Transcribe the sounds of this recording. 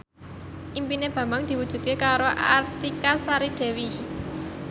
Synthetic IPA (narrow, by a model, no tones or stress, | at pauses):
ʔimpineb̥ä̤mbaŋd̪̥i̤wud̥ʒ̥ṳd̪̚kekaɾoʔa̰rt̪ikasaɾiɖ̪̥e̤wi